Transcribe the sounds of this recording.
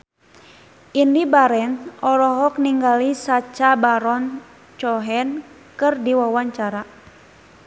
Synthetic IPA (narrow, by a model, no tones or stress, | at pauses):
indibaɾɛnɔɾɔɦɔk̚niŋɡalisat͡ʃabaɾɔn | t͡ʃɔɦɛn | kɨrdiwawaɲt͡ʃaɾa